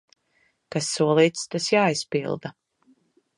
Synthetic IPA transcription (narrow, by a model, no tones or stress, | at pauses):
kasːuɔlˠiːt̪st̪asjaːispḭlˠd̪a